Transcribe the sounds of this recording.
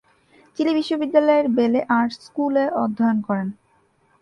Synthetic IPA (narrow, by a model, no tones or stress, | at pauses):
t͡ɕilibiʃːobid̪ːalɔeɾbeleʔaɾskuleʔɔd̪ʱːɔjonkɔɾen